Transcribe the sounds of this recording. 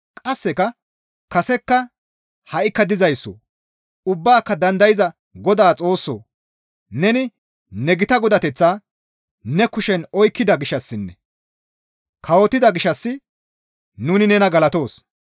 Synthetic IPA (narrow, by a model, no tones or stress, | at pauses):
kʼɐsːɛkɐ | kɐsɛkːɐ | hɐʔɪkːɐd̪ɪzɐjsːo̰ː | ʊbːaːkːɐd̪ɐnd̪ɐjɪzɐ | ɡɔd̪aːt͡sʼo̞ːsːo̰ː | nɛnɪ | nɛɡɪt̪ɐɡɔd̪ɐt̪ɛt͡sːaː | nɛkʊʃɛnɔjkːɪd̪ɐɡɪʃɐsːɪnːɛ | kʰɐwɔt̪ːɪd̪ɐɡɪʃɐsːɪ | nuːnɪnɛnɐɡɐlɐt̪o̞ːs